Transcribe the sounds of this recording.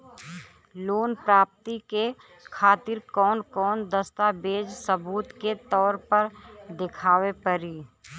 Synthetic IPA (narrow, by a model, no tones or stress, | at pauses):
loːnpɾaːp̚t̪ike | kʰaːt̪ɪɾkɔːnkɔːnd̪əst̪abeːd͡ʒsəbuːt̪ket̪ɔːɾpəɾd̪ɪkʰaːwepəɾiː